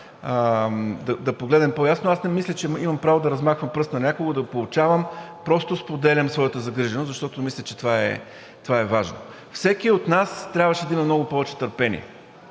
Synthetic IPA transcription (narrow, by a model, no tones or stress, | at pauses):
d̪ɐd̪ɐpoɡlɛd̪ɛmpojasnoʊasnɛmislʲət͡ʃɛimɐmpɾavod̪ɐɾɐzmaxvɐmpɾɤst̪nɐnʲakoɡod̪ɐpolˠʊt͡ʃavəmpɾɔst̪ʊspod̪ɛlʲɐmsvɔjət̪əzɐɡɾiʒɛnoszɐʃt̪ɔt̪omislʲɐt͡ʃɛt̪ovaɛ̰ | t̪ovaɛvaʒno̰ | fsɛkiot̪nast̪ɾʲabvəʃɛd̪ɐimɐmnɔɡʊpɔvɛt͡ʃɛ̥t̪əɾpɛnḭɛ̰